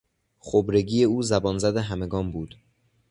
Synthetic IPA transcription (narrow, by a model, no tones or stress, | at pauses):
χobɾe̞ɡiːje̞uːzæbɒːnzæd̪eɦæme̞ɡɒːmbuːd̪̥